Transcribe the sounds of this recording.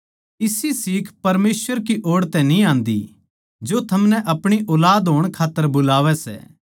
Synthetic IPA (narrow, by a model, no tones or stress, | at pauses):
ɪsisiːkʰpɐɾmeːsʋəɾkiʔoːɽt̪ɛ̃nĩãːnd̪ḭ | d͡ʒot̪ʰɐmnɛʔɐpɽ̃iʔɔːlaːd̪ɦoːɽ̃kʰaːt̪ːəɾbʊlaːʋɛsɛ̰ː